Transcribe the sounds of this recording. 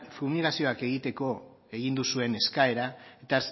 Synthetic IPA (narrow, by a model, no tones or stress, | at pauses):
fumiɣasio̞ake̞ɣ̞it̪e̞ko̞ | e̞ɣ̞ind̪usue̞ne̞skae̞ɾaet̪aeɾs